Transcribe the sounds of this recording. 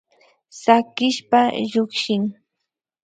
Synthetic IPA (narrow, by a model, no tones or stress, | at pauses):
sakɪʃpaʎʊkʃɪŋ